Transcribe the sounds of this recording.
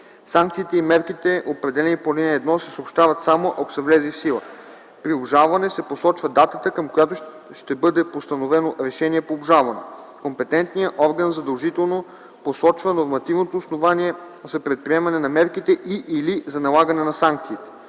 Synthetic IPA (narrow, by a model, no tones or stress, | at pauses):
saŋk̚t̪siːt̪ɛimɛɾkit̪ɛʔopɾɛd̪ɛlɛnipolʲinɛːd̪nɔsɛsəopʃt̪avət̪samoʔɐko̥sɛvlɛzifsilˠə | pɾiobʒalˠvɐnɛsɛposɔt͡ʃvəd̪at̪ət̪əkɐmkojat̪o | ʃt̪ɛbɤd̪ɛpost̪ɐnovɛnoɾɛʃɛniɛpoːbʒalˠvɐnɛ | kompɛt̪ɛnt̪nijəʔɔɾɡənzɐd̪ɐlˠʒit̪ɛlˠno | posɔt͡ʃvənoɾmɐt̪ivnot̪oːsnovaniɛ | zɐpɾɛt̪̚pɾiɛmɐnɛnɐmɛɾkit̪ɛʔiʔilizɐnɐlˠaɡənɛnɐsaŋk̚t̪siːt̪ɛ̥